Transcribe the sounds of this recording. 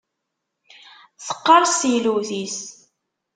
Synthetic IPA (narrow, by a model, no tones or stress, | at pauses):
θə̥qːəɾˤsiluθis